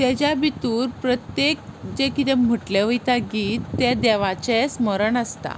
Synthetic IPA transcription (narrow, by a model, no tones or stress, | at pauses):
t̪jɛd͡ʑjabit̪uːɾpɾət̪jek̚d͡ʑekit̪ɛm̤əʈleʋəjt̪aɡiːt̪ːɛd̪ɛʋat͡ɕɛ̃sməɾəɳəstt̪a̰